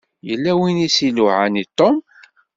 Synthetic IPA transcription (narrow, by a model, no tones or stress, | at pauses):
jəlːæwinisiluʕanit̪ˤːom